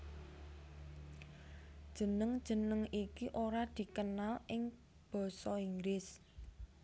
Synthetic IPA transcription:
d̥ʒ̥ə̤nəŋd̥ʒ̥ə̤nəŋikiʔoɾad̪̥i̤kənalʔɪŋ | b̥ɔ̤sɔiŋɡɾɪs

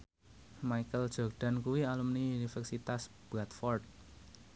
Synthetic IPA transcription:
maikəld̥ʒ̥ɔ̤rɖ̥a̤nkuwialumniunifɛrsit̪as | b̥ɾat̪fɔrt̪̚

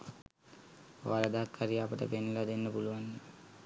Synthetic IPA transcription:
ʋaɾəd̪aɦakʰːaɾijəapəʈə̰penːulad̪enːəpuluʋandə

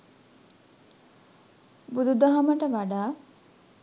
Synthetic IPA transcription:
bud̪ud̪ɐɦɐməʈəʋaɖaː

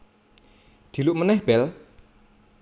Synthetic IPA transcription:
d̪̥i̤luʔmənɛhb̥ɛl

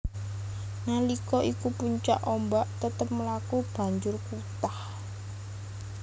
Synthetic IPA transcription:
nalikɔʔikupuɲt͡ʃa̰ʔɔmbaʔt̪ət̪əp̚məlakub̥ä̤ɲd͡ʒʊrkut̪ah

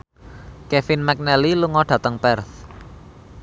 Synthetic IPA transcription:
kefinmɛk̚nɛliluŋɔɖ̥ä̤t̪əŋpɛrθ

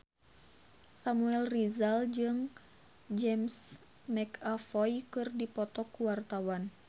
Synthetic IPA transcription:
samuɛlrizald͡ʒɨŋ | d͡ʒɛms | mɛkafɔjkɨrdipɔt̪ɔkuwart̪awan

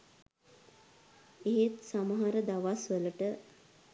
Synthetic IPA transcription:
eɦet̪saməɦaɾəd̪aʋasʋələʈə

